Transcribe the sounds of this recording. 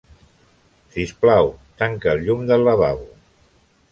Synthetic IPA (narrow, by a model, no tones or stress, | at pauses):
sisplawt̪aŋkəːlʎumd̪əlːəβaw